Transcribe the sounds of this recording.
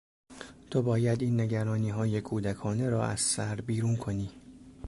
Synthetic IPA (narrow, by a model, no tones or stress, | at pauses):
t̪ʰobɒːjæd̪iːnːe̞ɟæɾɒːniːɦɒːje̞kʰuːd̪ækʰɒːne̞ɾɒːʔæ̰z̥sæɾbiːɾuːnkʰo̞niː